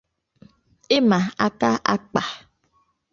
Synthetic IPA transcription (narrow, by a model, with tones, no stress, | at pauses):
e˦mã˨a˨ka˦ʔa˦k͡pa˨